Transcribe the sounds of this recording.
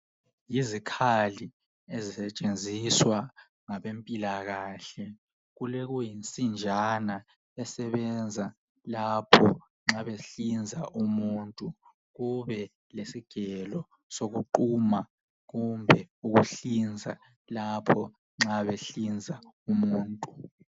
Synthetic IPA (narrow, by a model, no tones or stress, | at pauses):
jizikʰali | ezisɛt͡ʃʼend͡zʱiswa | ŋaɓempʼilaɣaːɬɛ | ɣuleɣujint͡sʼind͡ʒʱana | ɛsɛβɛnd͡zʱa | lapʰɔ | ŋ͡ǁaβeɬind͡zʱaʔumuntʼu | ɣuβɛ | lesiɡ̥ʱɛlɔ | soɣuǃuma | ɣumbʱɛuɣuɬind͡zʱa̰ | lapʰɔ | ŋ͡ǁaβeɬind͡zʱa | umuːntʼu